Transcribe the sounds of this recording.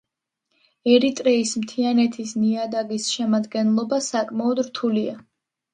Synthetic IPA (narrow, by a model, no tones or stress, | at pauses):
ɛɾit̪ʼɾɛismt̪ʰianɛt̪ʰisniad̪aɡisʃɛmad̪ɡɛnlˠɔbasakʼmaɔd̪ɾt̪ʰulia